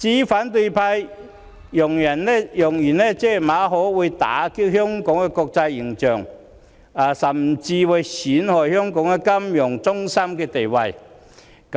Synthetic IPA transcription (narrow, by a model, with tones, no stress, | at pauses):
t͡siː˨˥faː˨˥nt̪ɵ˧pʰaː˧j | jʊ˨˩ŋjɐ˨˩nɛ˥jʊ˨˩ŋjyː˨˩nɛː˥t͡sɛː˥˩˨maː˨˧ɦɔː˨˥wuː˨˧jt̪a̰ː˨˥ki˥k̚hœː˥ŋkɔ˨˥ŋkɛː˧kɔː˧k̚t͡sɐ˧jːɪ˨˩ŋt͡ʃœː˨˩ŋ | a˨˩sɐ˨˩mt͡siː˧wɐ˨˧jsiː˨˥nhɔː˨jhœː˥ŋkɔː˨˥ŋkɛ˧kɐ˥mjʊ˨˩ŋt͡sʊ˥ŋsɐ˥mkɛː˧t̪e˨jwɐ˧j | k